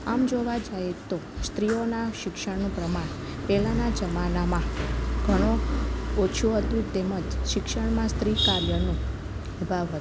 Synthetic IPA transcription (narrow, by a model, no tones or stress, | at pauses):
amd͡ʒoʋad͡ʒaet̪ost̪ɾijonaʃɪkʃəɽnũpɾəmaɳpɛlanad͡ʒəmanamãɡ̥ʱəɽ̃oot͡ʃʰuɦət̪ũt̪eməd͡ʒʃɪkʃəɳmãst̪ɾikaɾjənũ | əbʱaʋɦət̪